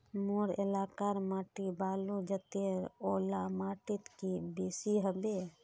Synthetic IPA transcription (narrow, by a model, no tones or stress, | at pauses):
moɾḛlaːkaɾmaːʈibaːlud͡ʒət̪eɾoːlamaːʈɪt̪kibeːsiɦəbe